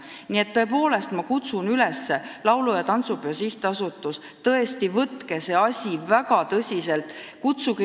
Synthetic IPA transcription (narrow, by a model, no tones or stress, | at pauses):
nie̞t̪ːo̞e̞po̞ːle̞st̪mɑkut̪sunylɛsːe̞lɑwlujɑt̪ɑnt̪suposiht̪eɑsut̪ːˑus | t̪ɤe̞st̪ivɤt̪kese̞ɑsʲivækɑt̪ɤsʲise̞lt̪ˑkut̪suk